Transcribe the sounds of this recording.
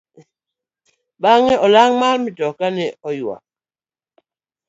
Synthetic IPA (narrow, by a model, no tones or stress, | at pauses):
ɓaŋɛʔɔlaŋmalmitɔkanɛɔjwa̰